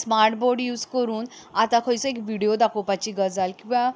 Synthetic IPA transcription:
smaɾʈboɾɖjuːd͡zkəɾuːnat̪ãkʰɔjt͡sɔekʋiɽiod̪akʰopat͡ɕiɡəd͡zalkĩʋã

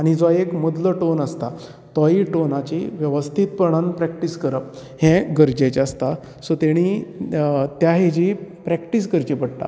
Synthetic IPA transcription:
aɽ̃id͡zɔekmud̪ləʈonəst̪a | t̪ɔiʈonat͡ɕiʋjəʋəst̪ʰit̪̚pəɳ̃anpɾɛkʈiskəɾəp̚ | hɛ̃ɡəɾd͡ʑet͡ɕast̪a | sot̪eɽ̃i | t̪jaɦed͡ʑipɾɛkʈis̬ɡəɾt͡ɕipəɽʈ̪a̰

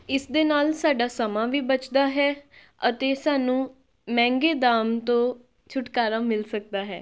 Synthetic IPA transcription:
ɪsd̪eːnaːlsaːɖaːsəmãːʋiːbət͡ʃd̪aːɦɛː | ət̪eːsaːnũː | mɛ̃ːŋɡeːd̪aːmt̪õː | t͡ʃʰʊʈkaːɾaːmɪlsək̚d̪aːɦɛː

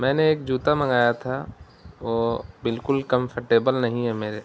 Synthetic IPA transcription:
mɛ̃ːneːk̚d͡ʒuːt̪amɐ̃ŋɡaːjat̪ʰa | ʋoːbɪlkʊlkə̃mfʰəɾʈeːbəlnɐɦĩɦɛmeːɾe

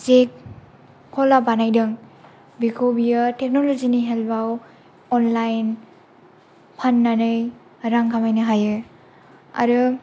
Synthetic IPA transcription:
sek̚ʰː | ɔlabanajdɯŋ | bikʰobijatek̚noloziniɦelbaw | ɔnlajn | pʰanːanɯj | ɾaŋkʰamajnɯɦajɯ | a̰ɾɯ

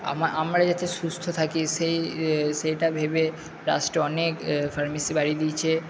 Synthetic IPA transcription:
a̰maʔamɾad͡ʑat̪eʃust̪ʰot̪ʰakiʃejʃejʈabʱebe | ɾa̰sʈɔnekfaɾmisibaɽid̪it͡ɕʰe

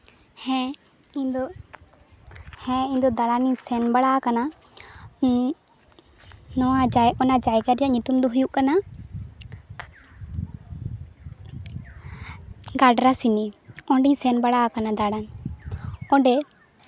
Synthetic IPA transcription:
hɛ̃ | id̪ɔ | hɛ̃iɲd̪ɔd̪aɽaniɲsɛnbaɽaakana | nɔwad͡ʒajɔnad͡ʒajɡaɾjaʔɲut̪umd̪ɔɦujuʔkana | ɡaɖɾasiniɔ̃ɖiɲsɛnbaɽaakanad̪aɽan | ɔ̃ɖɛ

